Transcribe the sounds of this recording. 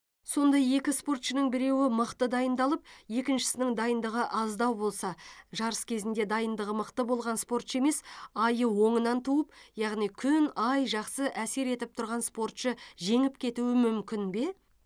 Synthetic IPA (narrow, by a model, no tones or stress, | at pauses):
so̞nd̪ɑje̞kʲɪspo̞rt̪ʃənəɴbɪɾe̞wɪməqt̪əd̪ɑjənd̪ɑlˠəp̚je̞kʲɪnʃɪ̥sɪnɪŋd̪ɑjənd̪əʁəʔɑzd̪ɑwbo̞lˠsɑʒɑɾəskʲʰe̞zɪnd̪e̞d̪ɑjənd̪əʁəməqt̪əbo̞lˠʁɑnspo̞ɾt̪ʃəe̞me̞sɑjəwo̞ɴənɑnt̪ʰuəpjɑʁnijkʲʰʏnɑjʒɑqsəʔæse̞ɾe̞t̪ɪp̚t̪ʰʊɾʁɑnspo̞rt̪ʃəʒe̞ŋɪp̚kʲʰe̞t̪uwɪmʏmkʲɪnbe̞